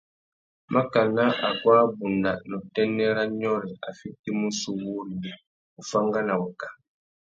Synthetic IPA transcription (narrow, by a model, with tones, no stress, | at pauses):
mʔa˦ka˨na˦a˨ɡwa˦bu˨nda˨nɔ˨tɛ˦nɛ˦ɾa˦ɲɔ˦ɾɛ˨a˨fi˦ti˦mu˦su˦˨wu˦ɾi˨ | u˨fa˦ŋɡa˦na˨wu˨kḁ˨